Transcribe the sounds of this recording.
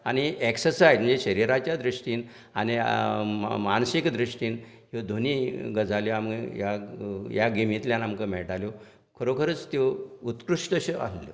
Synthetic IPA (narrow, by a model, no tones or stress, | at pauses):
añieksəsajd͡zmənd͡zeɕəɾiɾat͡ɕjad̪ɾiʂʈiːn | ani | mansikd̪ɾiʂʈiːn | ɦod̪ʱoniɡəd͡zʱaljoamjajaɡimit̪ljanamkəm̤ɛɭʈaljo | kʰəɾokʰəɾət͡st̪jout̪kɾuʂʈəɕea̰lljo̰